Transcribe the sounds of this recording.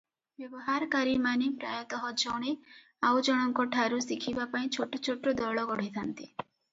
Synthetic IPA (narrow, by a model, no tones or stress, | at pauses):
bjɔbɔɦaɾɔkaɾimanepɾa̰jɔt̪ɔɦɔd͡ʒɔwɽ̃e | awd͡ʒɔɽ̃ɔŋkɔʈʰaɾusikʰibapaĩt͡ʃʰoʈɔt͡ʃʰoʈɾɔd̪ɔɭɔɡɔɽ̤it̪ʰant̪i